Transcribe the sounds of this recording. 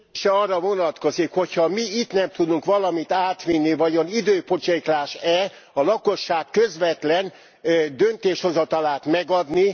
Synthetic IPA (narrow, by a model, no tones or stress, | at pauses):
ʃɛɒːrːɒvo̞nɒt̪ko̞zikho̞chɒmiit̪nɛmt̪ud̪uŋkʋɒlɒmit̪aːt̪ʋinːivɒɟonid̪øːpo̞t͡ʃeklaːʃɛ | ɒlɒko̞ʃːaːkːøzʋɛt̪lɛn | d̪ønt̪eːʃho̞zɒt̪ɒlaːt̪mɛɡɒd̪ni